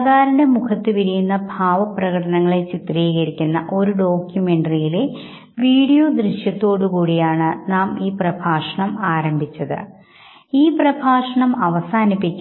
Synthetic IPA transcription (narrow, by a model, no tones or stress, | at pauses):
d̪ʱaːɾɐnɐmukʰɐt̪ːɨpiɾijunːɐbʱaːʋɐprɐɣɐʈɐnɐŋːɐɭe̞t͡ɕit̪riːɣɐɾikʲːunːɐʔo̞ɾuɖo̞ːkjume̞ɳɖɐrijile | ʋiːɽijo̞ːd̪riʂjɐt̪ːo̞ːɽukuːɽijaːɳɨnaːmiːprɐbʱaːʂɐɳɐmaːɾɐmbʱit͡ɕːɐðɨ̰ | iːprɐbʱaːʂɐɳɐmɐʋɐsaːnipːikʲː